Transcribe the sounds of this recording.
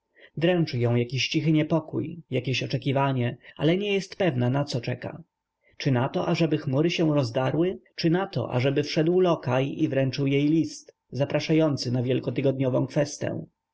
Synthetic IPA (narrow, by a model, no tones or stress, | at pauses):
d̪ɾɛnt͡ʂɘjɔ̃w̃jakʲiɕt͡ɕixɘɲɛpɔkṵjjakʲeɕɔt͡ʂɛkʲivaɲɛa̰lɛɲɛjɛst̪pɛvnanat̪sɔt͡ʂɛka̰ | t͡ʂɘnat̪ɔʔaʐɛbɘxmuɾɘɕɛw̃ɾɔzd̪aɾwɘt͡ʂɘnat̪ɔ̰ʔa̰ʐɛbɘfʂɛd̪wlɔkajivɾɛnt͡ʂɘwjejlʲist̪ | zapɾaʂajɔnt̪sɘnavʲjɛlkɔt̪ɘɡɔd̪̚ɲɔvɔ̰̃w̃kfɛst̪ɛ̰̃